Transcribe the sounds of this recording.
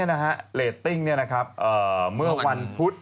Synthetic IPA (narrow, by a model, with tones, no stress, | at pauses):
əna˦˥ka˦˥ʔleː˨˩t̪ːi˥˩ŋni˥˩ɐna˦˥kʰa˦˥p̚ʔɤː˨˩mɯ˥˩ɐwa˧npʰu˦˥t̪̚